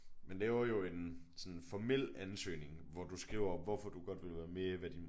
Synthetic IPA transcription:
menleːʊɐjo̝e̝nsɒ̽nfɒmel̰ænsø̰ːne̝ŋʋɒd̥usɡ̥ʁḭʊɐʋɒfɒd̥uɡ̥ɒ̽d̥ʋe̝lʋæːɐme̝ɐʋæd̥in

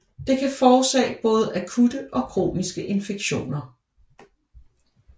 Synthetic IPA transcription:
d̥e̝kʰæfɒːsɛ̰ːb̥ɔ̽ːð̞̩ˠʔækʰud̥əʔɒ̽kʰʁo̝̰ːnisɡ̥əʔe̝nfe̝ɡ̥ɕo̝̰ːnɐ

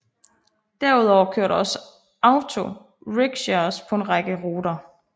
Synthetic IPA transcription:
d̥æɐuð̞ˠɒʊ̰kʰøɐ̰ɾɒ̽sə | ɑ̈ʊt͡sʰo̝ | ʁeɡ̥ɕɑspʰɒ̽e̝nʁɑɡ̥əʁoːdɐ

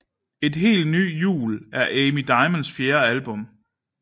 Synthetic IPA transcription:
e̝d̥ɦe̝̰ːld̥ny̰ːjṵːlæɐʔeɪmid̥ɑ̈ɪmənsfjeːɐælb̥ɔ̽m

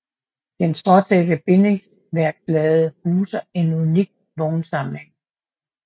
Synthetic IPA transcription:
d̥ensʰɒt͡sʰɛd̥əb̥e̝neŋs | ʋæɐɡ̥slɛːð̩ˠhuːsɐe̝nuniɡ̥̚ | ʋɔːnsɑ̈ml̩eŋ

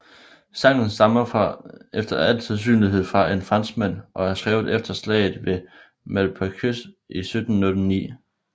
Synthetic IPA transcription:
sɑ̈ŋ̰n̩sd̥ɑ̈mɐfɑefd̥ɐæl̰t͡sʰeðˠs̬y̰ːnliɦe̝ð̞̰ˠfʁɑ̈ʔe̝nfʁɑ̈n̰smæn̰ʔɒ̽æɐsɡ̥ʁɛːʊð̩ˠefd̥ɐslɛ̰ɪð̩ˠʋe̝ | mælpʰækʰøsisød̥n̩ːɔd̥nḭː

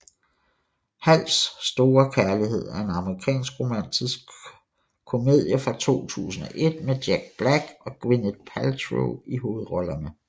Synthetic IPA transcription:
hæl̰sːd̥o̝ːɐkʰæɐliɦe̝ð̞̰ˠæɐe̝nɑ̈məʁikʰɛ̰ːnsɡ̥ʁo̝mæn̰d̥ʰisɡ̥̚ | kʰo̝me̝ð̰ˠjəfʁɑ̈t͡sʰo̝̰ːt͡sʰṵːsn̩ɒ̽ʔe̝d̥̚med̥jæɡ̥̚b̥læɡ̥ɒ̽ɡ̥wined̥̚pʰælt͡sʰʁo̰iɦo̝ːð̩ˠʁɒ̽lɐnə

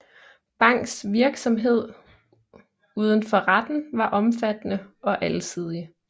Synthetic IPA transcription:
b̥ɑ̈ŋ̰ɡ̥sʋiɐɡ̥sɒ̽mɦe̝ð̞̰ˠ | uːð̞ˠən̩fɒ̽ʁad̥n̩ʋɑ̈ʔɒ̽mfæd̥nəɒ̽ʔælsʰið̞̰ˠi

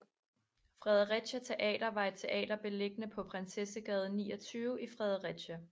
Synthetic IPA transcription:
fʁɛð̞ˠɐʁɛd̥ɕæt͡sʰe̝ʔɛ̰ːd̥ɐʋɑ̈e̝d̥̚t͡sʰe̝ʔɛ̰ːd̥ɐb̥e̝le̝ɡ̥ənəpʰɒ̽pʰʁɛnsesæɡ̥ɛð̞ˠnḭːɒ̽t͡sʰyːʊifʁɛð̞ˠɐʁɛd̥ɕæ

